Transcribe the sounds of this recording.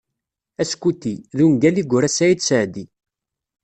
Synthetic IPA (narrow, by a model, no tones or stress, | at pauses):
æskːut̪ːiðunɡæliɡʷʊɾæsæjid̪səʕd̪i